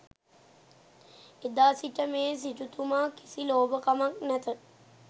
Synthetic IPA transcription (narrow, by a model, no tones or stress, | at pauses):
ed̪aːsiʈəmeːs̬iʈut̪umaːki̥siloːbəkamaknæt̪ə